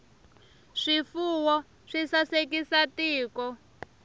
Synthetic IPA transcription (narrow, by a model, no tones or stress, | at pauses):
ʂifuwɔ | ʂisasek̬isatiːkɔ